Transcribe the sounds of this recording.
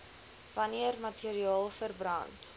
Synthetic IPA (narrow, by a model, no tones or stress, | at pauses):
vɐniərmɐtiəɾiɑːlˠfərbrɐnt